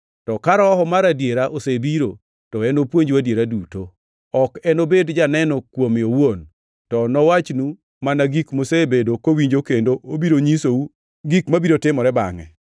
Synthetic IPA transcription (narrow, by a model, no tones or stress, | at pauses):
tɔkaɾɔɦɔmaɾadjeɾaʔosebiɾo̰ | tɔɛnopwoɲd͡ʒwadjeɾaduto | ɔkɛnobedd͡ʒanɛnɔkwomɪowon | tɔnɔwat͡ʃnu | manaɡikmosebedokowiɲd͡ʒokendoʔobiɾoɲisou | ɡikmabiɾotɪmɔɾɛba̰ŋɛ̰